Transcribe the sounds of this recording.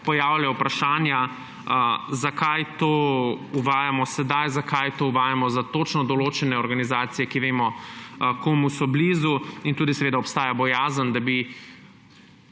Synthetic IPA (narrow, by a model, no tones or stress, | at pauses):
pɔjaːwljawpɾaʃaːnja | zakajt̪oːuʋaːjamɔsɛd̪ajzakajt̪oːuʋaːjamɔzat̪oːt͡ʃnɔd̪ɔloːt͡ʃɛnɛɔɾɡanizaːt̪sijɛkiʋeːmɔkomusɔblizuint̪uːd̪isɛʋeːd̪aɔpst̪aːjabɔjaːzənd̪abi